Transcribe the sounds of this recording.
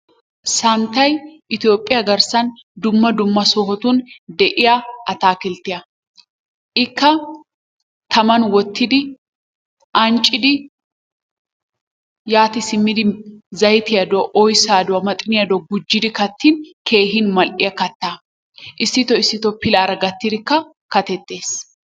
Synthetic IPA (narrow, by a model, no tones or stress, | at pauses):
sɐnt̪ːɐjʔɪt̪ijo̞ːpʼːɪjɐɡɐɾsɐnd̪ʊmːɐd̪ʊmːɐsɔɦɔt̪ʊnd̪ɛʔɪjaʔɐt̪aːkɪlt̪ːɪjɐ | ʔɪkːɐ | t̪ʰɐmɐnwɔt̪ːɪd̪ɪ | ʔɐnt͡ʃʼːɪd̪ɪ | jaːt̪ɪsɪmːɪd̪ɪzɐjt̪ɪjɐd̪ɔʔɔjsaːd̪ʊwɐmɐt̪ʼɪnɪjɐd̪ɔɡʊd͡ʒːɪd̪ɪkɐt̪ːɪnkʰe̞ːɦɪnmɐlʔɪjɐkɐt̪ːaː | ʔɪsːɪt̪ɔɪsːɪt̪ɔpɪlɐːɾɐɡɐt̪ːɪd̪ɪkːɐ | kɐt̪ɛt̪ːe̞ːs